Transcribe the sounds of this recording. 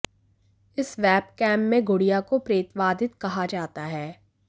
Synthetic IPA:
ɪsʋɛːbkɛ̃ːmːẽɡʱʊɽijakopɾeːt̪ʋaːd̪ɪt̪kɐɦad͡ʒaːt̪aɦɛː

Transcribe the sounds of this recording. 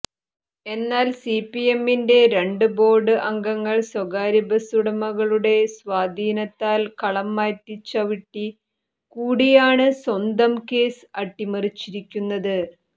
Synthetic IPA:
e̞nːaːlsipːije̞mːinde̞ɾe̞ɳɖɨbo̞ːrɖɨʔɐŋɡɐŋːɐɭswɐɡaːɾibɐsuɽɐmɐɣɐɭuɽe̞swaːd̪ʱiːnɐt̪ːaːlkɐɭɐmːaːt̪ːit͡ɕːɐʋiʈːi | kuːɽijaːɳɨswɐnd̪ɐmke̞ːsɨɐʈːimɐrit͡ɕːiɾikʲːunːɐðɨ

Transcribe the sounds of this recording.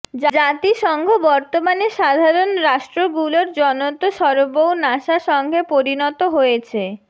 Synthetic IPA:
d͡ʑd͡ʑat̪iʃɔŋɡʱobɔɾt̪omaneʃad̪ʱaɾonɾaʃʈɾoɡuloɾd͡ʑɔnot̪oʃɔɾobownaʃaʃɔŋɡʱepoɾinɔt̪oɦojet͡ɕʰe

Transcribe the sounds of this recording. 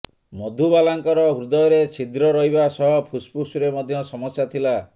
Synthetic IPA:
mɔd̪ʱubalaŋkɔɾɔɦuɾd̪ɔɔɾet͡ʃʰid̪ɾɔɾɔɦibasɔɦɔpʰuspusuɾemɔd̪ʱjɔsɔmɔsjat̪ʰila

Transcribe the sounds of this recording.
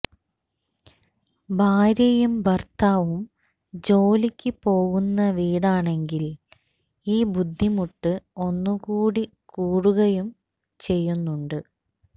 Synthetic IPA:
bʱaːɾjɐjumbɐrt̪aːʋum | d͡ʑo̞ːlikʲːɨpo̞ːɣunːɐʋiːɽaːɳe̞ŋɡil | iːbud̪ʱːimuʈːɨo̞nːukuːɽi | kuːɽuɣɐjum | t͡ɕe̞jːunːuɳɖɨ

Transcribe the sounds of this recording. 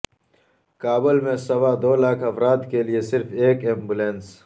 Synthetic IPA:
kaːbəlmẽsɐwad̪oːlaːkʰɐfɾaːt̪keliesɪɾfeːkẽːmbulẽns

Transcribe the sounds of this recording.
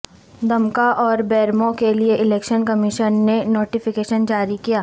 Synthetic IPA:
d̪ɐmkaʔɔːɾbɛːɾmõkelieʔɪleːkʃənkɐmɪʃənːenoːʈɪfɪkeːʃənd͡ʒaːɾikijaː

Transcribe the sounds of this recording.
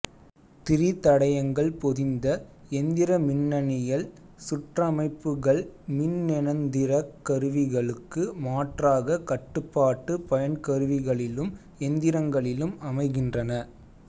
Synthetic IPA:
t̪ɪɾit̪ɐɽɐjɐŋɡɐɭpɔðɪnd̪ɐɛnd̪ɪɾɐmɪnːɐnɪjɐɭ | sʊʈrɐmɐɪpːɯɣɐɭmɪnnɛnɐnd̪ɪɾɐkːɐɾɯʋɪɣɐɭɯkːɯmaːʈraːɣɐkɐʈːɯpːaːʈːɯpɐjɐnkɐɾɯʋɪɣɐɭɪlɯm | ɛnd̪ɪɾɐŋɡɐɭɪlɯmɐmɐɪɣɪndrɐnɐ

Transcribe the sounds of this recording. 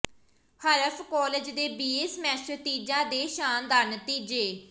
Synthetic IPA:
həɾəfʰkɔːled͡ʒd̪eːbiːeːsmɛːsət̪iːd͡ʒãːd̪eːʃaːnd̪aːɾnət̪iːd͡ʒeː

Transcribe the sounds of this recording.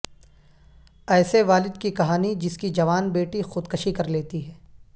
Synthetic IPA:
ɛːseʋaːlɪd̪kikɐɦaːnid͡ʒɪskid͡ʒɐʋaːnbeːʈixʊd̪kɐʃikɐɾleːt̪iɦɛː

